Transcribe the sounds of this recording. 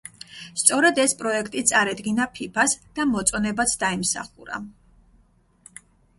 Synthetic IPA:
st̪sʼɔɾɛd̪ɛspʼɾɔɛkʰt̪ʼit̪sʼaɾɛd̪ɡinapʰipʰasd̪̥amɔt̪sʼɔnɛbat̪sʰd̪aimsa̰χuɾa̰

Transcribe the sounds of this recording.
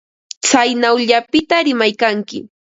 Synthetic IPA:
t͡sajnawʎapɪt̪aɾɪmajkaŋkɪ̰

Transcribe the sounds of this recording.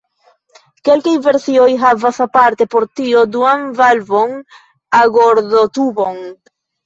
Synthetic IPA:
ke̞lkajve̞ɾsio̞jɦavasapaɾte̞po̞ɾtio̞duanvalvo̞n | aɡo̞ɾdotubo̞n

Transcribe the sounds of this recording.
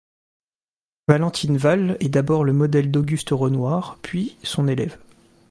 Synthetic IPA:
valɑ̃t̪ʰinvalɛd̪abɔʁləmɔd̪ɛld̪ɔɡʲyst̪ʁənwaːʁpʰɥisɔ̃nelɛv

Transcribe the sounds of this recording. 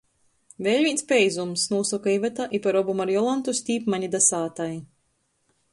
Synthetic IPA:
vʲɛʎʲmʲiːnspʲɛjzumsnuːsɔkaivɛt̪aʔipɛɾɔbumaɾjɔlˠant̪usʲt̪ʲiːpmaɲʲid̪asaːt̪aj

